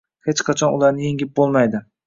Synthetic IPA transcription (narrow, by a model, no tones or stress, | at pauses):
het͡ʃqʰɑt͡ʃʰɒnʊlˠaɾnɪjeŋʲɪp̚bolˠmajd̪ɪ